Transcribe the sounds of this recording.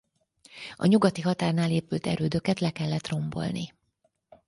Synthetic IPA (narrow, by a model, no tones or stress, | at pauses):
ɒ̰ɲuɡɒt̪iɦɒt̪aːrnaːleːpylt̪ɛ̰ɾøːd̪ø̞kɛt̪lɛkɛlːɛt̪ro̞mbo̞̰lni